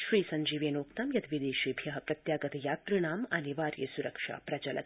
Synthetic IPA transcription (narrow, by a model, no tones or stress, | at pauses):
ʃɾiːsɐɲd͡ʒiːʋeːnoːkt̪aːmjɐt̪ʋid̪eːʃiːbʱjɐɦɐ̆pɾɐt̪jaːɡɐt̪jaːt̪ɾɨɳ̃aːmɐniʋaːɾjɐ̰suɾɐkʃa̰ːpɾɐt͡ʃɐlɐ̰t̪